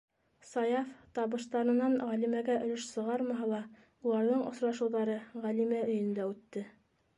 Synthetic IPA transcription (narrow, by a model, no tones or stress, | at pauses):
sɑjɑft̪ɑβɤ̆ʃt̪ɑɾɤ̆nɑnʁælimæɡæʔɵ̆lɵʃsɤ̆ʁɑɾmɑɦɑlˠɑ | ulˠɑɾðɤɴʔŏsɾɑʃɤ̆wðɑɾɤʁælimæɵ̆jɵ̆nd̪æʉt̪ːɘ